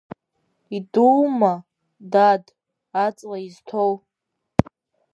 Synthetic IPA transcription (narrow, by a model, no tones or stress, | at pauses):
iduma | dad | at͡sʼlaiztʰow